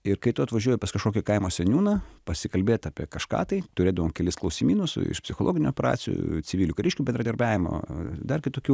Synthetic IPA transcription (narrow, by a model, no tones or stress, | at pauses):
ɪɾkɐɪt̪ʊɐt̪ʋɐʒʲuɔjɛpɐskɐʃkoːkʲɛkɐɪmoːsʲɛnʲuːnɐpɐsʲɪkɐlʲbʲeːt̪ɑːpʲiɛkɐʃkɑ̰ːt̪ɐɪt̪ʊɾʲeːd̪ɐʋoːmkʲɛlʲɪsklˠɐʊsʲimʲiːnʊsʊ̰ɪ̰ʃpʲsʲɪxoːlˠoːɡʲɪnʲuːɔpʲɛɾɑ̰ːt͡s̪ʲɪ̰jṵt͡sʲɪʋʲiːlʲuːkɐɾʲɪʃʲkʲubʲɛnd̪ɾɐd̪ɐɾbʲæːʋʲɪmo̰d̪ɐrkʲɪt̪oːkʲuː